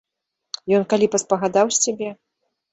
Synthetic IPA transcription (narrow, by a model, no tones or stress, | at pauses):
jɔnkalʲipɐspɐɣad̪awsʲabʲɛ